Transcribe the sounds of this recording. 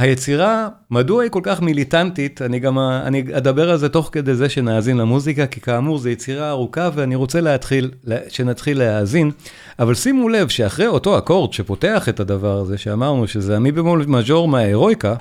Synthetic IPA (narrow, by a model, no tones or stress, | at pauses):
hajet͡siʁa | maduaiko̞lkaχmilitantitaniɡama̰niad̪abe̞ʁalzeto̞χke̞d̪e̞jze̞ʃe̞naːzinlamuzikakikaːmuʁzejet͡siʁaːʁukaveaniʁo̞t͡seleatχileʃe̞natχilːeaːzin | avalsimule̞vʃeaχʁejo̞to̞ako̞ʁd̪ʃe̞po̞te̞aχe̞tadavaʁaze̞ʃeamaʁnuʃezeamibemulmaʃo̞ʁmeaeʁo̞jka